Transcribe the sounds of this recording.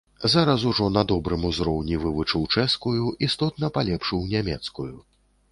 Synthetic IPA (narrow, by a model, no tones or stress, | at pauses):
zaɾɐs̬uʐɔnɐd̪ɔbɾɨmuzɾɔwnʲivɨvut͡ʂɨwt͡ʂɛskujuist̪ɔt̪nɐpalʲɛpʂɨwnʲamʲɛt̪skuju